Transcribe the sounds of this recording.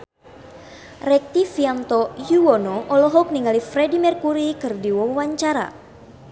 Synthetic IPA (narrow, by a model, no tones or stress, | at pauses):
rɛk̚t̪ifiant̪ɔjuwɔnɔʔɔlɔɦɔk̚niŋalifrɛdimɛrkuɾikɨrdiwawaɲt͡ʃaɾa̰